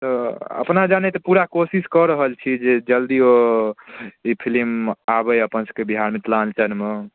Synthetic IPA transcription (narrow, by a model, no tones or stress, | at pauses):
t̪əə̰pnad͡ʒanet̪ɔpuɾakosiskɔɾəɦəlt͡ʃʰid͡ʒed͡ʒəld̪io | ipʰilimabəjəpənsə̥kːebiɦaɾmet̪lant͡ʃənme